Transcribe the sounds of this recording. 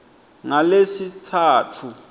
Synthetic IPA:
ŋalesitʰaːtʰu

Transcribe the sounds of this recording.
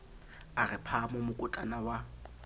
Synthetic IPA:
arɪpʰamɔmʊkʼʊtʼanawa

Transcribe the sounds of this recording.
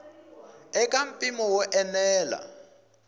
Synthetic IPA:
ɛkʼam̩pʼimɔwɔʔɛnɛːla̰

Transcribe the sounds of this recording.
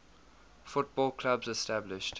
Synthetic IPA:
fʊt̚b̥ɔːlˠkʰl̥abzɛstæblɪʃt

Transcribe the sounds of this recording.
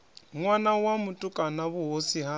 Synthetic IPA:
ŋwanawamutʼukʼanaβuɦosiɦa

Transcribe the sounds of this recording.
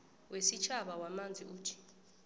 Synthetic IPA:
wʔesit͡ʃʰaɓawamand͡zʱiuːtʰi̥

